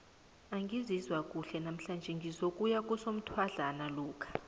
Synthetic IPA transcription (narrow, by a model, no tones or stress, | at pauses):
aŋɡʱizizwak̬ʼuɬɛnam̩ɬand͡ʒʱɛŋɡʱizokʼujak̬ʼusom̩tʰwaɮanaluːkʰḁ